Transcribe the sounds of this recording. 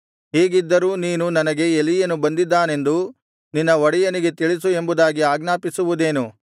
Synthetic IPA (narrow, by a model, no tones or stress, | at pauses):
ɦeːɡid̪ːɐɾuːniːnunɐnɐɡe̞elːijɐnːubɐnd̪id̪ːaːne̞nd̪u | ninːɐʋɔɽɛjɐniɡe̞t̪iɭisue̞mbud̪aːɡiaːɡnaːpisuʋud̪e̞ːnu